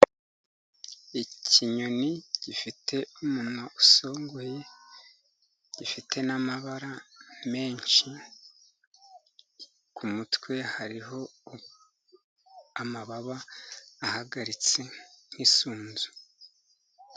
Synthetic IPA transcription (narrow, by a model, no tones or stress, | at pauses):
icʰiɲo̞niɟifitʰe̞umunaʔuso̞ːŋɡoje̞ | ɟ̥ifitʰe̞namaβaɾame̞ːɲʃi | kumutwe̞haɾiɦo̞ | amaβaβaː | haɡaɾit͡se̞n̥isuːnzu̥